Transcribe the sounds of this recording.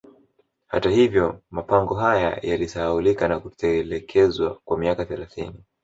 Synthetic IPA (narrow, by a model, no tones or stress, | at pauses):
ha̰tahivjɔmapaŋɡɔɦaja̰jalisaulikanakutɛlɛkʰɛzwakwamiakaθɛlaθḭni